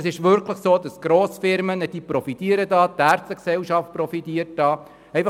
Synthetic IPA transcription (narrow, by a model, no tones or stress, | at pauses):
sɪʃʋʏɾkʰləχsoːd̥ɑsɡ̥ɾoːsfɪɾmənəd̥iːpɾɔfit̪iəɾədɑːt̪æɾt͡səksɛlʃɑft̚pɾɔfit̪iəɾt̚d̥ɑː | ɛɪfɑ